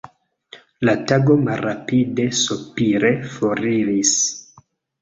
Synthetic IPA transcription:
lataɡo̞malːapide̞supiɾe̞foɾiɾis

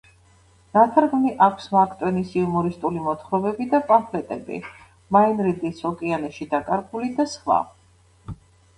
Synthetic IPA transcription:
ɾat̪ʰaɾɡmniʔakʷʰsmakʰt̪ʼwɛnisiumɔɾist̪ʼulimɔt̪ʰχɾɔbɛbid̪apʼampʰlɛt̪ʼɛbḭ | mainɾid̪isʰɔkʼianɛʃid̪akʼaɾɡulid̪asχla̰

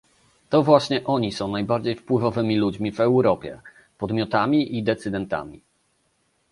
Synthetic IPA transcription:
t̪ɔvwaɕɲɛʔɔɲisɔ̃w̃najbaɾd͡ʑejfpwɘvɔvɘmʲilud͡ʑmʲivɛwɾɔpʲjɛ̰ | pɔd̪mʲjɔt̪amʲiʔid̪ɛt̪sɘd̪ɛnt̪a̰mʲḭ

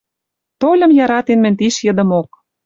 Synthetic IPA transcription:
t̪olʲə̆mjɑɾɑt̪enmɘ̆nʲt̪iʃjə̆d̪ə̆mok̚

